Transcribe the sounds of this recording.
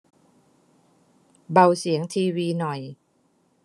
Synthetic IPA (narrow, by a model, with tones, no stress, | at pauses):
ba˧wsi˩˦əŋt̪ʰiː˧wiː˧nɔ˨˩j